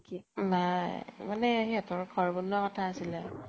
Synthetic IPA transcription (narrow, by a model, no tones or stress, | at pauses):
kinajmanɛaɦiatʊɹɡʰʱɔɹbɔnwakɔtʰaːsilɛ